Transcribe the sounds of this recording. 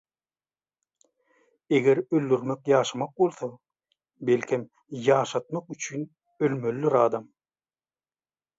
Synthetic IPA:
e̞ɣeɾøld̪yɾmekjɑːʃɑmɑq̚bo̞lˠθɑ | belkʲʰem | jɑːʃɑt̪̚mɑqyt͡ʃʰyn | ølmølːyɾɑːd̪ɑm

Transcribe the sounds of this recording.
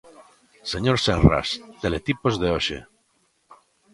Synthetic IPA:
seɲoɾsenra̰st̪elet̪ipozðeoʃḛ

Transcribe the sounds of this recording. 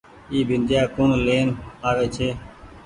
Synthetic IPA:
iːbʱɪnd̪ʱjaːkoːnleːnaːʋeːt͡ʃʰeː

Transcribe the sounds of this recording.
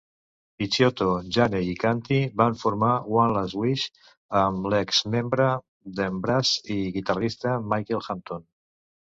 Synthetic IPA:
it͡ʃjot̪oʒaneikant̪iβaɱfuɾmawanlazwiʃ | əmlɛkzmembɾə | ðəmbɾaziɣit̪arist̪əmajkelxant̪on

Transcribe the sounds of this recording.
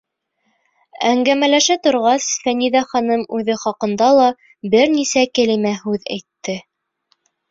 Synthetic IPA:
æŋɡæmælæʃæt̪ŏɾʁɑsfæniðæχɑnɤmʉðɘχɑqɤ̆nd̪ɑlˠɑ | bɘɾnisækɘ̆limæɦʉðæ̰jt̪ːɘ

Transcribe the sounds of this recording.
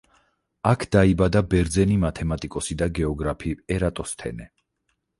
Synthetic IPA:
akʰd̪̥aibad̪abɛɾd̪zɛnimat̪ʰɛmat̪ʼikʼɔsid̪aɡɛɔɡɾapʰiɛɾat̪ʼɔst̪ʰɛ̰nɛ

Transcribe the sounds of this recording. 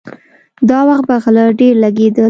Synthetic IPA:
d̪ɑwaxt̪̚baɣləɖeɾlaɡed̪ə

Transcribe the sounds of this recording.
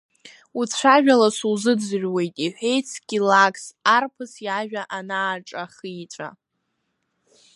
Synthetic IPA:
ut͡sʷʰaʒᶣalasuzɨd͡zɨʒᶣwe̞jtʼiħʷᶣejt͡sʰɡ̥ʲilakʰsarpʰɨsjaʒᶣaʔanaːʈ͡ʂʼaχiːt͡ʃʷʼa̰

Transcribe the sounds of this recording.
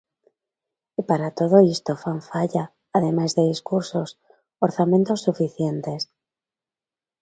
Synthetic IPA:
ipaɾat̪oð̞oist̪ofaɱfaʎaː | ðemajzðeðiskuɾsos | oɾθamẽnt̪osːufiθjent̪es

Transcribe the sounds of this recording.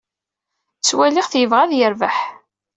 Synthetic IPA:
t͡sːwæliʁθjəvʁaðjəɾvəħ

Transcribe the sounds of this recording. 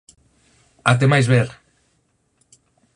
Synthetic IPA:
a̰t̪̬emajzβeɾ

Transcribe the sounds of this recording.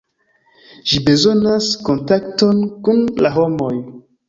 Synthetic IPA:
ʒibe̞zo̞nasko̞ntakto̞nkunlaɦo̞mo̞j

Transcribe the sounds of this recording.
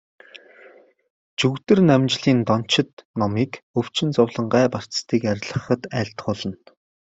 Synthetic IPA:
t͡ɕuɣt̪ɘ̆rnæmt͡ɕɮiːnt̪ɔn̥t͡ɕɪ̆t̪nɔmiːkɵw̥t͡ɕɪ̆nt͡sʊwɮə̆ɴɢæːpar̥t͡sst̪ʰiːkæɾʲɮə̆χə̆t̪æːɬt̪χʊɮɞ̆n

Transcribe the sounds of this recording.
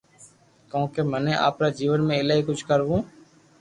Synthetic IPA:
kõːkeːmənẽːʔa̰ːpɾaːd͡ʒiːʋənmẽːɪlaːiːkʊd͡ʒʱkəɾʋũː

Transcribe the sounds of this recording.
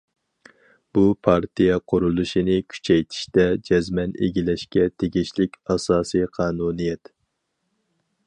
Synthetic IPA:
b̥upʰɑɾt̪ʰijɛqʰoɾulˠuʃinɪkʲʰy̥t͡ʃʰɛjt̪ʰi̥ʃt̪ɛd͡ʒɛzmɛnḛɡʲilɛʃkʲɛt̪ʰeɡʲiʃlɪkʲɑsɑːsijqʰɑːnunijɛt̪

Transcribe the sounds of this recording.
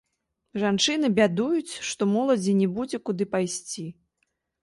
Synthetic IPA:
ʐant͡ʂɨn̪ɨbʲad̪ujut͡sʲʂt̪ɔmɔlˠɐd͡zʲinʲɛbud͡zʲɛkud̪ɨpajsʲt͡sʲi

